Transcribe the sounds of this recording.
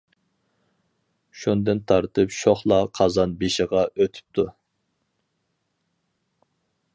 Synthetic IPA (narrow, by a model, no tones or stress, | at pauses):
ʃund̪ɨnt̪ʰɑɾt̪ʰɨpʃoχlˠɑqʰɑzɑnbeʃɪʁɑʔøt̪ʰy̥p̚t̪ʰu